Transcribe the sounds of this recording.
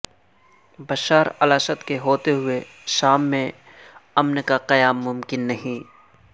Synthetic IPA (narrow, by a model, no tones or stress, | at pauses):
bɐʃaːɾɐlaːʃət̪keɦoːt̪eɦʊe | ʃaːmːẽ | ɐmnkaqɐjaːmːʊmkɪnːɐɦĩː